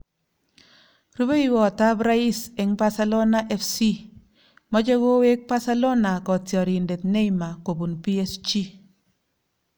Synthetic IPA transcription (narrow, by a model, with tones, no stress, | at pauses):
ɾu˦be˦i˦wɔ˨ta˦bɾa˦i˦se˨ŋba˦sa˦lo˦na˦ʔɛ˦fsi˦ | mɔ˦t͡ʃe˦ko˦we˦k̚pa˦sa˦lo˦na˨kɔ˨tjɔ˨ɾi˨nde˨tne˦ima˨ko˨bu˨npi˦e˦st͡ʃi˦